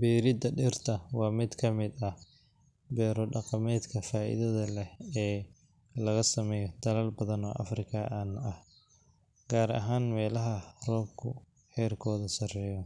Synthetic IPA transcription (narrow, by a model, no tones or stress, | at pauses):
bɛːɾɪd̪ɐɖɛrt̪ʰɐwɑːmɪd̪kʰɐmɪd̪ɐ | bɛːɾɔɖɑqɑmɛːd̪kʰɐfaːʔɪ̰ðɐðɐlɛhɛː | lɐɣɐsɐmɛːjɔd̪̥ɐlɐlbɐðɐnɔ̰ːʔɐ̰frɪkʰɐʔaːnɐh | ɡ̥aːɾɐ̰ɦaːnmɛːlɐɦɐrɔːbkʰʊ | ħɛːrkʰɔːðɐsɐrɛːjɔ